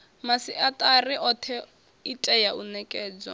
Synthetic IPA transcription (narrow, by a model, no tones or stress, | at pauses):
masiʔatʼariʔɔt̪ʰɛ | itʼɛjaunɛkʼɛːd͡zɔ̰